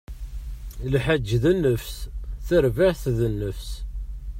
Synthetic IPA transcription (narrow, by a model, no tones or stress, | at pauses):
lħæd͡ʒðənːəfsθəɾvaʕθðənːəfs